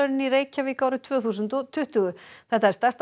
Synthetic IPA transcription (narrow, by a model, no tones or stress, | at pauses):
œɾɪniɾeːjcaviːkawɾɪt̪ʰvœːθuːsʏnt̪ɔt̪ʰːʏht̪ʏɣʏθɛht̪aɛɾ̥st̪ast̪